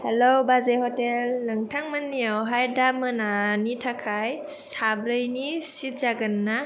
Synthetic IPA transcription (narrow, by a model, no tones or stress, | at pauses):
helobazejhɔtelːɯŋtʰaŋmanːiawɦajdamɯnanitʰakʰaj | sabɾɯjnisit̚zaɡɯnːa